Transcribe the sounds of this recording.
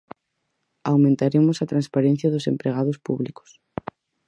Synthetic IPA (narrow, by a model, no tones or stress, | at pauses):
awmẽnt̪aɾemʊsɐt̪ɾanspaɾẽn̟θjɐðʊsempɾeɣ̞aðʊspṵβlikʊ̥s